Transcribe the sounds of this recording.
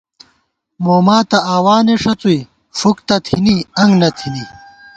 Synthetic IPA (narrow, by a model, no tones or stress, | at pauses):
moːmaːt̪ɐaːwaːneʂɐt͡sui | fukt̪ɐt̪ʰiniɐŋɡnɐt̪ʰini